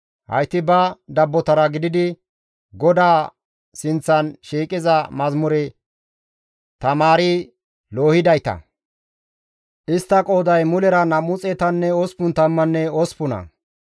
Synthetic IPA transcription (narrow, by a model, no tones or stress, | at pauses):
hɐ̰jt̪ːɪbɐd̪ɐbːɔt̪ɐɾɐɡɪd̪ɪd̪ɪ | ɡɔd̪aː | sɪnt͡sːɐnʃiːkʼɪzɐmɐzmʊɾɛ | t̪ɐmaːɾɪ | loːhɪd̪ɐjt̪ɐ̰ | ʔɪst̪ːɐkʼoːd̪ɐjmʊlɛɾɐnɐmʊt͡sʼɛt̪ɐnːɛɔspʊnt̪ɐmːɐnːɛɔspʊnɐ̰